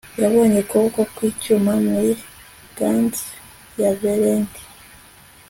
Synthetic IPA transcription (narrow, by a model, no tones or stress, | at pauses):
jaβoːɲekoβkokwicumamuji | ɡ̥anti̥ | javeɾeːnti̥